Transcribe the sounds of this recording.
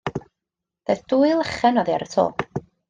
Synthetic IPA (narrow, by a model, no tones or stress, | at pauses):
ð̥eθd̥uːɨlˠəχɛnɔðiaɾətʰo̰ːlˠ